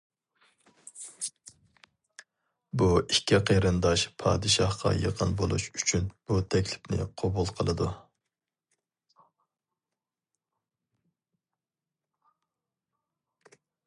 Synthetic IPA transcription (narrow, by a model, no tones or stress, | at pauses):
buikʲːiqʰeɾɨnd̪ɑʃpʰɑːd̪ɨʃɑhqʰɑ̰jəqʰənbolˠṵʃy̥t͡ʃʰynb̥ut̪ʰɛkʲlɪpnɪ̰qʰobulˠqʰəlˠɨd̪u